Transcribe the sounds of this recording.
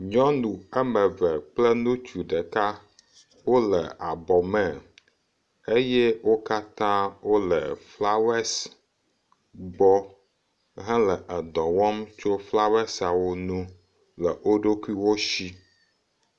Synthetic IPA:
ɲɔ̃˦nũ˨ɛ˦mɛ̃˨vɛ˨k͡plɛ˦nũ˦t͡ʃu˨ɖɛ˨ka˦ | wo˦lɛ̰˨a˨bɔ˨mɛ̃˨ | e˦jɛ˦wo˦ka˦t̪ã˦wo˦lɛ˨fla˦wɛ˦s | ɡ͡bɔ˦ | ɦɛ̃˦lɛ˨ʔɛ˨d̪ɔ̃˨wɔ˦mt͡ʃo˦fla˦wɛ˦sa˨wo˦nũ˦ | lɛ˨ʔo˦ɖo˦ku˦i˦wo˦ʃi˦

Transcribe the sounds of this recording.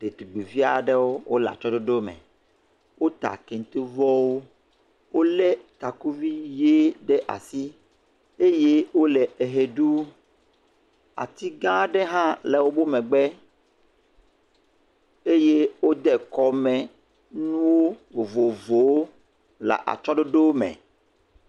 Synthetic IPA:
d̪̥e˨t̪u˨ɡ͡be˨vi˦a˨ɖɛ˦wo˦wʔo˦la̰˨t͡ʃɔ˦ɖo˦ɖo˦mɛ̰̃˨ | wo˦t̪a̰˨ke˨ŋ˨t̪i˦vɔ˦wo˦ | wo˦lɛ˦t̪a˨ku˦vi˦je˦ɖɛ˦ʔa̰˨si˦ | e˦je˦wo˦lɛ˨e˨ɦe˨ɖu˦ | a̰˨t̪i˦ɡã˦ɖɛ˦ɦã˦lɛ˨wo˦bo˦mɛ̃˨ɡ͡bɛ˦ | e˦je˦wo˦d̪ɛ˨kɔ˨mɛ̃˨ | nũ˦wo˦vo˨vo˨vo˨wo˦ | la̰˨ʔa̰˨t͡ʃɔ˦ɖo˦ɖo˦wo˦mɛ̰̃˨

